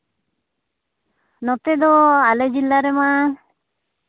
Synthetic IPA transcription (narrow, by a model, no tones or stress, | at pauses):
nɔt̪ed̪ɔaled͡ʒilːaɾɛma